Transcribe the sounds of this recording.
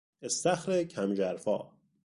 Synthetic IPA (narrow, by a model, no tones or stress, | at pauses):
est̪æxɾecʰæmd͡ʒæɾfɒː